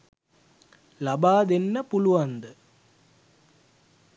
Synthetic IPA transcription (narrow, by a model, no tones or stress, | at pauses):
lɐbaːd̪enːəpuluʋɐnd̪ə